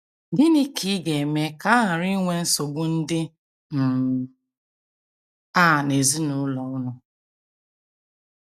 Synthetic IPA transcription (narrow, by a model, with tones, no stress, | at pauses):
di˦ni˦kʰi˦ɡe˨me˨ka˦ɦa˨ɾi˦ŋʷe˦n̩˦so˨ɡ͡bʊ˦n̩˦dɪ˦ | m̩˨ | a˦˨ne˨zi˦nʊ˦lɔ˨ʊ˦nʊ˨